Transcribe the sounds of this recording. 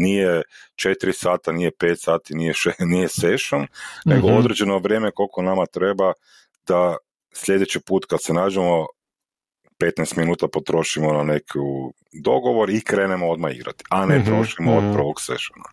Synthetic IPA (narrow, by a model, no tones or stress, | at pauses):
nijet͡ʃe̞t̪iɾisaːt̪anijepeːt̪saːt̪inijeʃenijeseʃomne̞ɡood̪ɾed͡ʒe̞noʋɾjeːmeko̞lko̞namat̪ɾe̞ba | d̪a | sʎʲe̞d̪et͡ɕipuːt̪kad̪se̞naːd͡ʒemo̞ | pet̪nɛjst̪minuːt̪apo̞t̪ɾo̞ʃimo̞nanekʰu | d̪o̞ɡo̞ʋo̞ɾikɾe̞ːnemood̪maḭɡɾa̰t̪i̥ʔanet̪ɾo̞ʃimoːd̪̚pr̩ʋoɡsḛʃona̰